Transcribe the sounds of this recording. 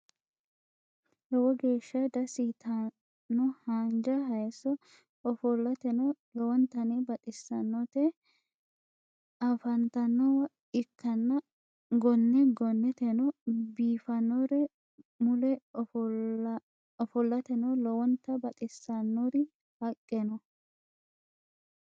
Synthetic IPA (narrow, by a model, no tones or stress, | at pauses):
hɛwɔɡe̞ːʃːɐd̪ɐsit̪ʰa | nːɔhaːnd͡ʒɐɦɐjsːɔ | ɔfɔlːɐt̪ɛlɔwɔnt̪ɐnebɐt̪ʼɪsːɐnːɔt̪ɛ | ɐfɐnt̪ɐnːɔwɐ | ɪkːɐnːɐ | ɡɔnːɛɡɔnːɛt̪ɛnɔbiːfɐnːɔɾɛ | mʊlɛ | ɔfɔlːɐt̪ɛnɔlɔwɔnt̪ːɐbɐt̪ʼɪsːɐnːɔɾɪ | hɐkʼːɛnɔ